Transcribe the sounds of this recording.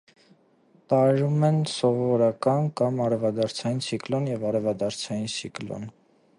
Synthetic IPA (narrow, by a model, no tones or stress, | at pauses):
t̪ɑɛɾumɛnsɔvɔɾɑkɑnkɑmɑɾɛvɑd̪ɑɾt͡sʰɑjint͡sʰiklɔnjɛvɑɾɛvɑd̪ɑɾt͡sʰɑjint͡sʰiklɔ̰n